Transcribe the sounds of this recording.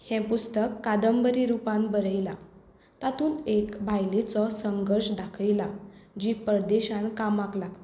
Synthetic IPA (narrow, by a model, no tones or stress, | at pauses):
hɛ̃pust̪əkːad̪əmbəɾiɾupãnbəɾəjla | t̪at̪ʰuːnekbʱajlit͡sɔsəŋɡəɾɕd̪akʰəjlad͡ʑipəɾd̪eɕãnkamaklaɡt̪